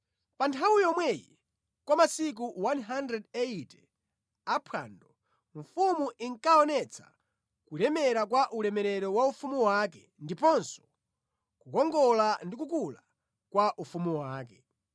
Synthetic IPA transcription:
pantʰawujɔmwɛjḭ | kwamasik̬uwanɦandɾɛdɛitɛ | apʰwaːndɔ | ɱfumuʔiŋkaɔnɛt͡sʰḁ̰ | kulɛmɛɾak̬waʔulɛmɛɾɛɾɔwaufumuwak̬ɛ | ndipɔnsɔ̥ | kukɔŋɡɔlandik̬ukula | kwaʔufumuwaːkɛ

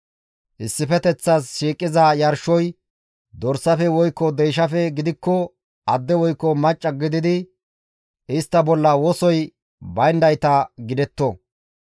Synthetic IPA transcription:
ʔɪsːɪfɛt̪ɛt͡sːɐsʃiːkʼːɪzɐjɐɾʃɔj | d̪ɔɾsɐfɛwɔjkːɔd̪ɛjʃ̬ɐfɛɡɪd̪ɪkːɔ | ʔɐd̪ːɛwɔjkːɔmɐt͡ʃʼːɐɡɪd̪ɪd̪ɪ | ʔɪst̪ːɐbɔlːɐwɔsɔj | bɐjnd̪ɐjt̪ɐɡɪd̪ɛt̪ːɔ

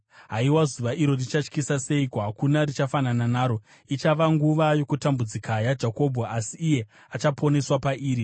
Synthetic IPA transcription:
ɦaiwazuʋaʔiɾo̞rit͡ʃat͡ʃkisase̞ikoɦakunarit͡ʃafanananaːɾo̞ | it͡ʃaʋaŋɡuʋajo̞kutambud͡zikajad͡ʒako̞bʱoasiːje̞ | at͡ʃapʰo̞ne̞swapaʔiːɾi

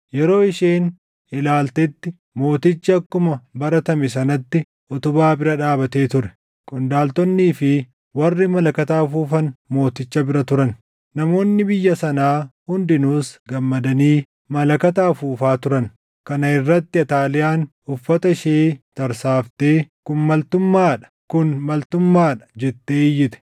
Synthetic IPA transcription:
jɛɾo̞ːɪʃeːn | ɪlaːlt̪ɛt̪ːɪ | mo̞ːt̪ɪt͡ʃːɐːkːʊmɐbɐɾɐt̪ɐmɛsɐnɐt̪ːɪ | ʔɔt̪ʊbaːbɪɾɐᶑaːbɐt̪e̞ːt̪ʊɾɛ̥ | kʼʊnd̪aːlt̪ɔnːiːfɪ | wɐrːɪmɐlɐkɐt̪aːfuːfɐnmo̞ːt̪ɪt͡ʃːɐbɪɾɐt̪ʊɾɐn | nɐmo̞ːnːɪbɪjːɐsɐnaːhʊnd̪ɪnuːsɡɐmːɐd̪ɐniː | mɐlɐkɐt̪aːfuːfaːt̪ʊɾɐn | kɐnɐɪrːɐt̪ːɪɐt̪aːlɪjaːn | ʊfːɐt̪ɐʃeːt̪ɐɾsaːft̪eːkʊnmɐlt̪ʊmːaːᶑɐ̥kʊnmɐlt̪ʊmːaːᶑɐ̥d͡ʒɛt̪ːe̞ːɪjːɪt̪ɛ̥

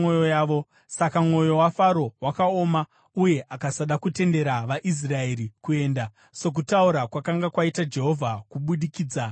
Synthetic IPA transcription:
ojojaːʋo̞ | sakamŋo̞jo̞wafaɾo̞wakao̞ːma | uje̞ʔakasaɗakute̞nde̞ɾaʋaʔis̬raeɾikue̞ːnda | so̞k̬utauɾakwakaŋɡakwaitad͡ʒe̞ɦo̞vʱakuɓuɗikiːd͡za

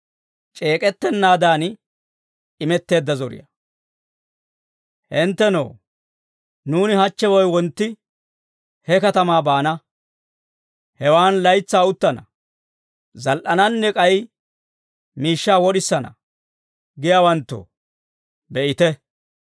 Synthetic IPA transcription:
t͡ʃʼe̞ːkʼɛt̪ːɛnːaːd̪aːn | ɪmɛt̪ːe̞ːd̪ːɐzɔɾɪ̰jɐ̰ | hɪnt̪ːɛno̰ː | nuːnɪhɐt͡ʃːɛwɔjwɔnt̪ːɪ | hɛkɐt̪ɐmaːbaːnɐ | hɛwaːnlɐjt͡sːaːʊt̪ːɐnɐ̰ | zɐlʔɐnɐnːɛkʼɐj | miːʃːaːwɔɗɪsːɐnɐ̰ | ɡɪjaːwɐnt̪ːo̰ | bɛʔɪt̪ɛ

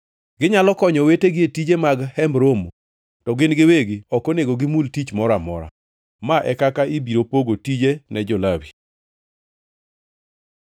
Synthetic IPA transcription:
ɡɪɲalɔkɔɲɔweteɡɪetid͡ʒemaɡhɛmbɾomo | tɔɡɪnɡɪweɡɪɔkoneɡoɡɪmultit͡ʃmɔɾamɔɾa̰ | maʔɛkakaʔibiɾopoɡotid͡ʒenɛd͡ʒɔlawi

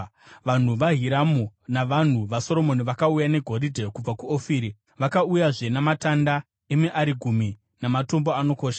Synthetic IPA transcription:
ʋan̤uʋaɦiɾamunaʋan̤uʋaso̞ɾo̞mo̞niʋakaujane̞ɡʱo̞ɾidʱekub͡vakuofiːɾi | ʋakaujaʐe̞namatanda | emiʔaɾiɡʱumi | namato̞mbo̞ano̞ko̞ːʃḁ

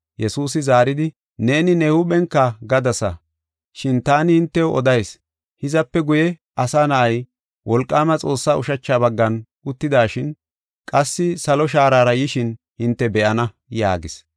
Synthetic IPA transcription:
jɛsuːs̬ɪzaːɾɪd̪ɪ | ne̞ːnɪnɛhʊɓɛŋkːɐɡɐd̪ɐsɐ | ʃɪnt̪aːnɪhɪnt̪ːɛʔɔd̪ɐjs | hɪzɐpːɛɡʊjɛ | ɐsaːnɐʔɐj | wʔɔlkʼːaːmɐt͡sʼo̞ːsːaːʊʃɐt͡ʃːaːbɐɡːɐnʔʊt̪ːɪd̪aːʃɪn | kʼɐsːɪsɐlɔʃ̬aːɾaːɾɐjɪʃɪn | hɪnt̪ːɛbɛʔɐnɐ | ja̰ːɡɪs

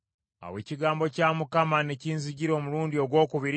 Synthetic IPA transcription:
a̰we̞̰ːciɡaːmbo̞caːmukamaneciːnziɟiɾo̞ːmuɾuːndio̞ɡwo̞ːkuβiɾ

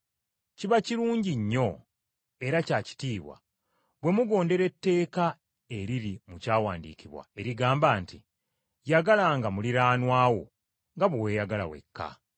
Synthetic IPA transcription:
ciβaciɾuːɲɟiɲːo̞ | e̞ɾacaːci̥tiːβwa̰ | βwe̞muɡo̞ːnde̞ɾe̞tːe̞ːka | e̞ɾiɾimucaːwaːndḭːkiβwa̰e̞ɾiɡaːmbaːnti | jaɡalaŋɡamuliɾaːnwaːwo̞̰ | ŋɡaβwowejaɡala̰we̞̰kʰːa̰

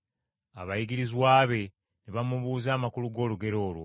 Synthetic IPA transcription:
a̰βajiɡiɾizwaːβe̞ | neβamuβuːzaːmakuluɡo̞ːluɡe̞ɾo̞ːlwṵ

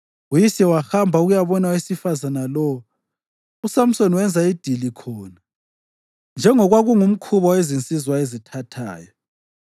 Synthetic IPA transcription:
ujisɛwaxambʱauɣujaβɔnawisifazanalɔu | usam̩sɔnwɛnd͡zʱaid̥ʱilikʰɔːna | nd͡ʒʱɛŋɔɣwaɣuŋum̩kʰuβɔwezint͡sʼizwaezitʰatʰa̰ːjɔ

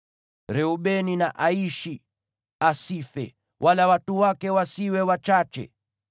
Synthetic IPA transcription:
ɾɛuɓɛninaʔaiʃi | asifɛ̰ | wʔalawatuwakɛwasiwɛwat͡ʃat͡ʃɛ̰

